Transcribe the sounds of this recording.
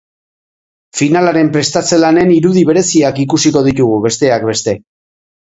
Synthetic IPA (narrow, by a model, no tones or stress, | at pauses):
finalaɾe̞mpɾe̞st̪at͡se̞lane̞niɾuðiβ̞e̞ɾe̞siakikusiko̞ðit̪uɣuβe̞st̪e̞ak̚be̞st̪e̞